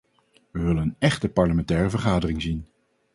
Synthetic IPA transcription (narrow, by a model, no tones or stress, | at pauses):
ʋəʋɵlənənɛχtəpɑɹləmɛntɛːrəvəɹχaːdərɪŋzin